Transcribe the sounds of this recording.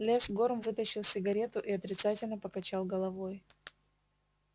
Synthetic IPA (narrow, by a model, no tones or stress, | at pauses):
lʲesɡo̞rmvɨt̪əɕːɪlˠsʲɪɡɐɾʲe̞t̪ʊʔiɐt̪ɾʲɪt̪satʲɪlʲnəpəkɐt͡ɕalˠɡəlˠɐvo̞j